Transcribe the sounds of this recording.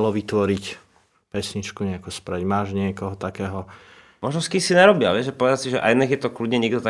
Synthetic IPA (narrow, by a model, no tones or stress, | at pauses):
lɔʋit̪ʋɔɾic | pɛsɲit͡ʃkuɲɛakɔspɾɛɟmaːʒɲɪɛkɔɦɔt̪akɛːɦɔ | mɔʒnɔskisinaɾɔbiaʋɛʒɛpɔʋɛd̪asiʒɛʔa̰jnɛxjɛt̪ɔklud̪ɲɛɲɪɛɡd̪ɔt̪a